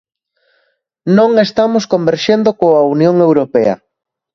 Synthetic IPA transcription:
nõŋest̪amoskombeɾʃend̪okoaunjoŋewɾopeɐ̰

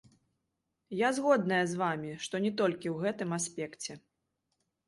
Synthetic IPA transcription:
jazɣɔd̪nɐjɐzvamʲiʂt̪ɔnʲɛt̪ɔlʲkʲiwɣɛt̪ɨmasʲpʲɛkt͡sʲɛ

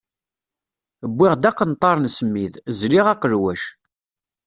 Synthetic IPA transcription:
əbːɪʁd̪æqːənt̪ˤːɑɾˤnsəmːiðzliʁæqəɾwæʃ

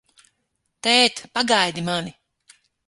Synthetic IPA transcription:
t̪ɛːt̪paɡajd̪imani

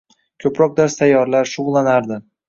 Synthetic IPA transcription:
kʲʰɵpɾɒk̚d̪aɾst̪ʰajːɒɾlaɾʃʊʁlˠanaɾd̪ɪ

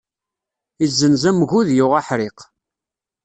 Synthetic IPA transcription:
izːənzæmɣuðjʊʁaħɾɪq

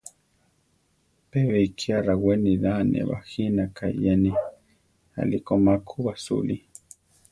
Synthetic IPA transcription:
peβeikʰiaɾaweniðanʔḛβa̰xinakʰaijani | a̰likomakʰuβasṵli

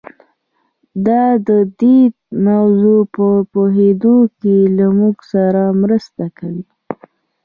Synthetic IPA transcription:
d̪ɑd̪əd̪id̪mawzopəpoɦed̪okelamuɡsaɾamɾəst̪akawi

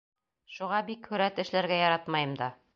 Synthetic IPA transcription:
ʃuʁɑbikhɵ̆ɾæt̪ɘ̆ʃlæɾɡæjɑɾɑt̪mɑjɤmd̪ɑ

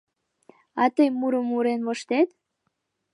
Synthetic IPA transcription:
ɑt̪əjmuɾəmuɾenβoʃt̪et̪

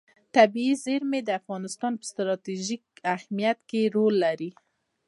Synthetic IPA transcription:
t̪abiizeɾmed̪əafɣɑnɪst̪ɑnpə̥st̪ɾɑt̪iʒik̚ahmijat̪keɾolːaɾi

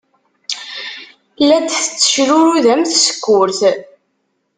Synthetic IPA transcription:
lːæd̪θə̥t͡sːə̥ʃɾʊɾuðæmθsə̥kːʊɾθ

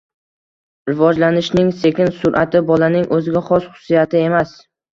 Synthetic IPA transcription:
ɾɪvɒd͡ʒlanɪʃnɪŋse̞kʲɪnsʊɾʔat̪ʰɪbɒlanɪŋʔɵzɪɡʲaχɒsχʊ̥sːijat̪ʰɪe̞mas

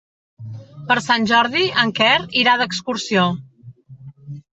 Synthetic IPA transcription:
pəɾsanʲʒɔɾðiəŋkɛriɾaðəkskuɾsio

